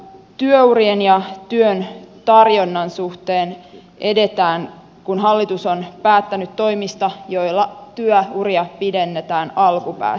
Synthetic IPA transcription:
t̪yøurienjɑt̪yønt̪ɑrjonːɑnsuht̪e̞ːn | ʔe̞de̞t̪æːŋ | kunɦɑlːit̪uso̞npæːt̪ːænyt̪tːo̞jmist̪ɑjo̞jlːɑt̪yøuriɑpide̞nːet̪æːnɑlkupæ̰ː

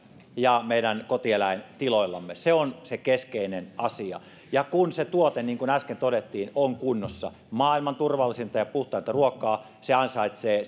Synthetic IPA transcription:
jɑmeiɾænkot̪ielæent̪iloilːɑ̰mːeseonsekeskeinenɑsiɑ̰ | jɑkunset̪uot̪eniːŋkunæskent̪odet̪ːiːnoŋkunːosːɑ̰ | mɑːilmɑnt̪urʋɑlːisint̪ɑjɑpuht̪ˑɑˑint̪ɑruokːˑɑː | seɑnsɑit̪seː

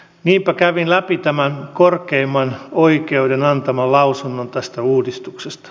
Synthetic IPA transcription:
niːmpækæʋinlæpit̪æmænkorkeimːɑnoikeudenɑnt̪ɑmɑlɑusunːont̪æst̪æuːdist̪uksest̪ɑ̥

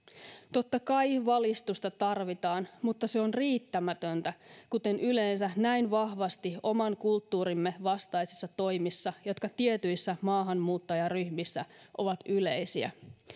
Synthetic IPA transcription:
t̪o̞t̪ːɑkɑjʋɑlist̪ust̪ɑt̪ɑrʋit̪ɑːnmut̪ːɑseo̞nriːt̪ːæmæt̪ønt̪ækut̪e̞nyleːnsænæinʋɑhʋɑst̪io̞mɑŋkult̪ːuːɾimːeʋɑst̪ɑjsisːɑt̪o̞jmisːɑjot̪kɑt̪iet̪yjsːæmɑːɦɑnmuːt̪ːɑjɑryçmisːæʔo̞ʋɑt̪yle̞jsiæ̰

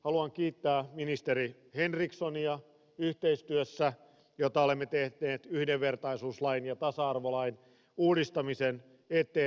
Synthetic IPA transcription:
hɑluɑŋkiːt̪ːæːminist̪eɾi | henriksoniɑ | yht̪eist̪yøsːæ | jot̪ɑole̞mːet̪ehneːt̪yhdeʋːe̞rt̪ɑisuːslɑinjɑt̪ɑsɑɑrʋolɑjn | uːdist̪ɑmisen | et̪ːˑeː

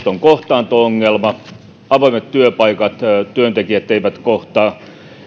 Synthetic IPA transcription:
t̪oŋkoht̪ɑːnt̪ooŋːelmɑ | ɑʋɑimet̪t̪yøpɑikɑt̪t̪yønt̪ekiæt̪ːeiʋæt̪koht̪ɑː

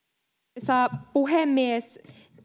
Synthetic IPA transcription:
sɑːpuɦemːies

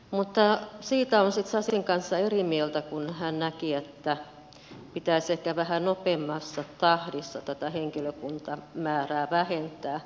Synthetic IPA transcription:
mut̪ːɑsiːt̪æonsit̪sɑsiŋkɑnsːɑerimielt̪ækunhænnækiet̪ːæ | pit̪æisehkæʋæhænopemːɑsːɑt̪ɑhdisːɑt̪æt̪æheŋkiløkunt̪ɑmæːræːʋæhent̪æː

